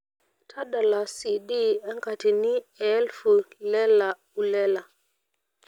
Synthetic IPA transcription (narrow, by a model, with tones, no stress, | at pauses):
tʰa˦ɗa˨la˨si˨ɗi˦ɛ˦ŋka˨ti˨ni˦ɛ˦lfu˨lɛ˦la˨ | u˨lɛ˦la˨